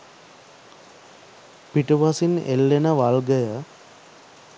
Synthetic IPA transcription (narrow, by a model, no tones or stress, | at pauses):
piʈuʋasinḛlːenəʋalɡəjə